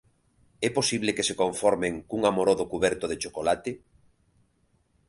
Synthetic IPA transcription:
ɛposiβlekesekoɱfɔɾmeŋkuŋamoɾoðokuβɛɾt̪oðet͡ʃokolat̪ɪ

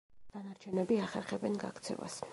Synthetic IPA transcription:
d̥̪anaɾt͡ʃʰɛnɛbiaχɛɾχɛbɛnɡa̰kt̪sʰɛ̰va̰s

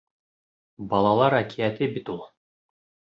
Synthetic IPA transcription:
bɑlˠɑlˠɑɾækʰʲiæt̪ɪbit̪ulˠ

